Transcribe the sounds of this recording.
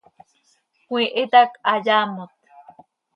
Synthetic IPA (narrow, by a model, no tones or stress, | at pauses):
kʷĩʔet̪akajaːmot̪̚